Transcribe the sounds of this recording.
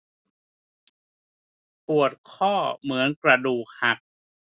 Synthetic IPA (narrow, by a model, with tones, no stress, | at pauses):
pu˨˩ət̪̚kʰɔː˥˩mɯ˩˦ənkɾa˧duː˨˩k̚ha˨˩k̚